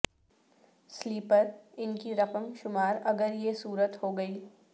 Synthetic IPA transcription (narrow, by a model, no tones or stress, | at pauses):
sliːpəɾɪnkiɾɐqəmʃʊmaːɾɐɡəɾjesuːɾət̪hoːɡɐiː